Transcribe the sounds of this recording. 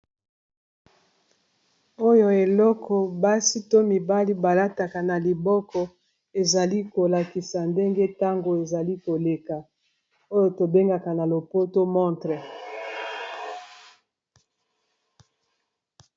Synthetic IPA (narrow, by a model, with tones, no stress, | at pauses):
o˦jo˨e˨lɔ˦kɔ˨ba˦si˦to˦mi˨ba˦li˦ba˨la˦ta˨ka˨na˨li˨bɔ˦kɔ˨ | e˨za˨li˦ko˨la˨ki˨sa˨nde˦ŋɡe˦ta˦ŋɡo˨e˨za˨li˦ko˨le˨ka˨ | o˦jo˨to˨be˦ŋɡa˨ka˨na˨lo˨po˦to˦mɔ˦ntʁɛ˨